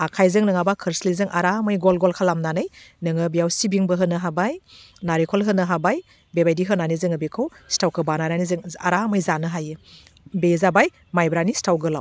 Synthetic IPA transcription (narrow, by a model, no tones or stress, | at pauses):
akʰajzɯŋnɯŋabakʰɯɾslizɯŋʔaɾamɯjɡɔlɡɔlkʰalamnanɯjnɯŋɯbijawsibiŋbɯɦɯnɯɦabajnaɾikʰɔlɦɯnɯɦabaj | bebajdiɦɯnanizɯŋɯbekʰɯwstawkʰɯbanananizɯŋa̰ɾamɯjzanɯɦajɯ | bezabaj | majbɾanistʰawɡɯla̰w